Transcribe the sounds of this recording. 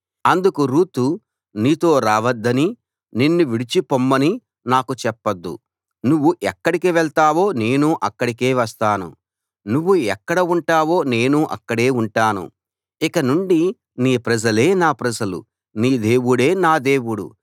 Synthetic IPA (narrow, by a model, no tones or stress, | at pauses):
ɐnd̪ukuɾuːt̪u | niːt̪o̞ːɾaːʋɐd̪ːɐni | ninːuʋiɽit͡ʃipomːɐni | naːkut͡ʃɛpːɐd̪ːṵ | nuʋːuʔɛkːɐɽikiʋɛɭt̪aːʋo̞ːne̞ːnuʔɐkːɐɽikeːʋɐst̪aːnṵ | nuʋːuɛkːɐɽɐuɳʈaːʋo̞ːne̞ːnuʔɐ̰kːɐɽe̞ːuɳʈaːnṵ | ikɐnuɳɖi | niːpɾɐd͡ʒɐle̞ːnaːpɾɐd͡ʒɐlṵ | niːd̪e̞ːʋuɽe̞ːnaːd̪e̞ːʋuɽṵ